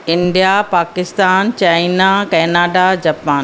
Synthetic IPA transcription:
ɪ̃nɖijapaːkɪst̪aːnt͡ɕaːinakɛːnaːɖad͡ʑaːpaːn

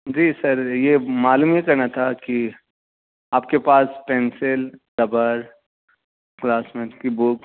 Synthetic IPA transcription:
d͡ʒiːsɐɾjemaːluːmijekɐɾnat̪ʰaki | aːpkepaːspɛ̃ːnsɪld̪ɐbəɾ | klaːsmẽkibuk

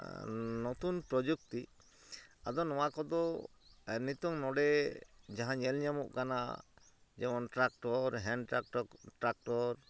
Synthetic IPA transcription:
nɔt̪unpɾɔd͡ʒuk̚t̪i | a̰d̪ɔnɔwakɔd̪ɔ | ɛnit̪ɔŋnɔɖɛd͡ʒaɦãɲɛlɲamɔʔkana̰ | d͡ʒɛmɔnʈɾak̚ʈɔɾɦɛnɖʈɾak̚ʈɔɾ

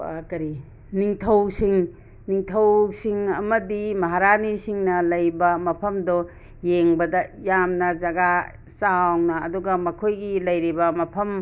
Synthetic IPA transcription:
a̰kɐɾi | niŋtʰɐwsiŋ | niŋtʰɐwsiŋɐmɐdimɐɦaɾanisiŋnɐlɐjbɐmɐpʰɐmdɔ | jeŋbɐdɐjamnɐzɐɡa | sawnɐːduɡɐmɐkʰojɡilɐjɾibɐmɐpʰɐm

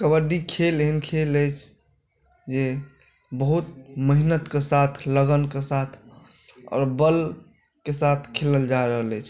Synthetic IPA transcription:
kəbəɖikʰeleɦənkʰeləjt͡ʃʰ | d͡ʒe | bəɦut̪̚məɦinət̪kesat̪ʰləɡənkesat̪ʰ | ɔ̰ːɾbəl | kesat̪ʰkʰeləld͡ʒaɾəɦələjt͡ʃʰ

